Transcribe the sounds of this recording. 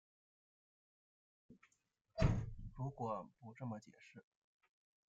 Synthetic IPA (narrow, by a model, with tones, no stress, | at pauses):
ɻu˧˥kwɔ˨˩pu˧˥ʈ͡ʂɤ˥˩mə˩t͡ɕjɛ̰˨˩ʂɻ̩˥˩